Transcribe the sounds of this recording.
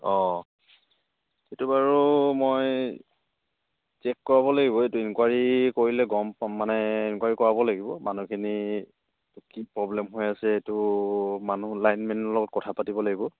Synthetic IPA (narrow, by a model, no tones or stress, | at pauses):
ɔ | etubaɹumoj | t͡ʃɛkːɔɹaβɔlaɡibɔetuinkwaɹikoɹilɛɡɔmmanɛinkwaɹikɔɹabɔlaɡibɔmanukʰini | kipɹɔblɛmɦojasɛetumanulajnmɛnɔlɔɡɔt̚kɔtʰapatibɔlaɡibɔ